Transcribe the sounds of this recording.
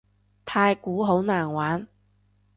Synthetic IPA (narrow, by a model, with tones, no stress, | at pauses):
t̪ʰaː˧jkuː˨˥ɦo˨˥wnaː˨˩nwaː˨˥n